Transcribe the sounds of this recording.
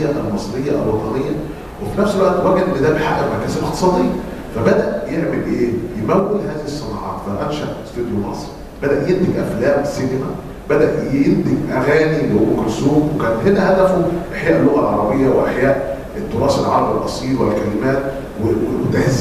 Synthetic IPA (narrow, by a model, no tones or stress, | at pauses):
æʔælmɑsˤɾejːɑʔæ̰lwɑt̪ˤɑnejːɑ | wefinæfselwæʔt̪wæɡed̪ʔenːed̪æbeħaʔæbmækæsælʔext̪e̥sˤɑːd̪ejːɑfæbæd̪æʔjeʕmelʔeːjemæwːed̪hæːzihisˤːenɑ̰ːʕɑ̰ːt̪fæʔæmʃæʔst̪ed̪jomɑ̰sˤɾi | b̥æd̪æʔjend̪eɡʔæ̰flæːmsinemæ | bæd̪æʔjend̪eɡʔæɣæːniweukoɾsuːbwekæːnt̪ɦenæhæd̪æfuʔæħjæːʔelːoɣælʕɑɾˤɑbejːæweʔæħjæːʔ | et̪ːoɾˤɑːselʕɑ̰ɾˤɑbelʔɑsˤiːɾwælkælemæːt̪ | weet̪æhz